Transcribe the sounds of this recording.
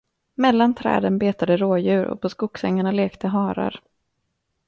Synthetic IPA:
mɛlːant̪ʰɾɛ̰ːd̪ənbeːt̪ad̪əɾoːjʉ̟ːɾɔ̰pʰɔskʊksɛŋːaɳaleːkt̪ʰəɦɑːɾa̰ɾ

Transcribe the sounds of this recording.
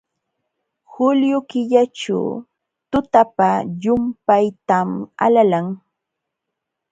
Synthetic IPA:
hʊljʊkɪʎaʈ͡ʂa̰w | t̪ʊt̪apajʊmpajt̪ama̰lalaŋ

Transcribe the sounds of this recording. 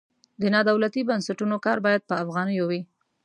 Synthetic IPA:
d̪ənɑd̪awlat̪ibansaʈunokɑɾbɑjad̪̚pəafɣɑnəjowi

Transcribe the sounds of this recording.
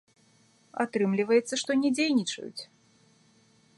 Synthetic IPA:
a̰t̪ɾɨmlʲivɐjɛt̪sːɐʂt̪ɔnʲɛd͡zʲejnʲit͡ʂɐ̰jṵt͡sʲ

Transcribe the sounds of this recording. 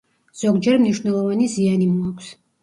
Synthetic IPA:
z̥ɔɡd͡ʒɛɾmniʃwnɛlˠɔvanizianimuakʷʰs

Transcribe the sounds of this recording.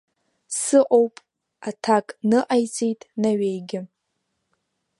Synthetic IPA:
sɨʔʼo̞wpʼ | atʰakʼnɨʔajt͡sʼejtʼnaɥejɡʲɪ

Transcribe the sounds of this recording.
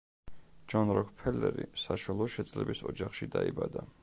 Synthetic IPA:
d͡ʒanɾɔkʰpʰɛlɛɾisaʃalˠɔʃɛd̪zlɛbisɔd͡ʒaχʃid̪aibad̪a

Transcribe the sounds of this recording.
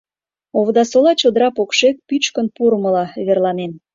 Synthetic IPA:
oβd̪ɑsolɑt͡ɕod̪əɾɑpokʃek̚pyt͡ɕkənpuɾəməlɑβerlɑnen

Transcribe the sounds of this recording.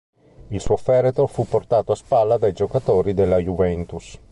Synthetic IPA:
ilsuofɛɾet̪ofupːort̪aːt̪oaspalːad̪ajd͡ʒokat̪oːɾid̪ɛlːajuvɛnt̪us

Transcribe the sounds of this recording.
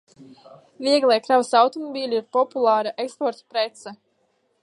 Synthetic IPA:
viɛɡlˠɛjkɾawsawt̪ɔmɔbiːlʲiɾpɔpulˠaːɾaʔekspɔɾt̪pɾet̪sa

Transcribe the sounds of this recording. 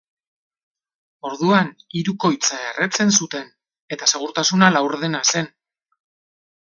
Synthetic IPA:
o̞ɾðuaniɾuko̞jt͡saeret͡se̞nsut̪e̞n | e̞t̪ase̞ɣ̞uɾt̪asunalawɾðenase̞n

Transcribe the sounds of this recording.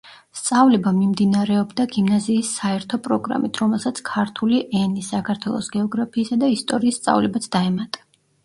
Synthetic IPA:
st̪sʼavlɛbamimd̪inaɾɛɔbd̪aɡimnaziːsːaɛɾt̪ʰɔpʼɾɔɡɾa̰mit̪ʰɾɔmɛlˠsat̪sʰkʰaɾt̪ʰuliʔɛnisakʰaɾt̪ʰwɛ̰lˠɔ̰sɡɛɔɡɾapʰiːsad̪aist̪ʼɔɾiːsːt̪sʼa̰vlɛbat̪sʰd̪aɛmat̪ʼḁ

